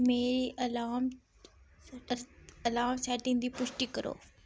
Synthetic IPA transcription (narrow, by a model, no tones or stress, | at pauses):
meːɾiʔɐlaːm | ɐlaːmsɛːʈɪ̃nd̪iːpʊʃʈiːkəɾo̰ː